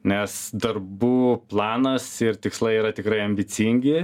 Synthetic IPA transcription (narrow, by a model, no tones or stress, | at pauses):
nʲɛsd̪ɐrbuːplˠɑːnɐsɪrt̪ʲɪkslˠɐɪiːɾɐt̪ʲɪkɾɐɪɐmʲbʲɪt͡s̪ʲiŋʲɡʲɪ